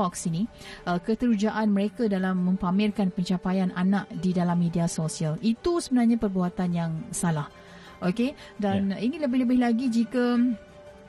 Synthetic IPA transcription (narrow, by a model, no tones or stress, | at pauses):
ɔksini | əkət̪əɾud͡ʒaʔanməɾekadalamːə̃mpamɪlkanpəɲt͡ʃapajananaʔdidalamːediasosialit̪usəbənarɲapərbuat̪anjaŋsalah | ʔoke | daniŋɪnləbɪhləbɪhlaɡid͡ʒika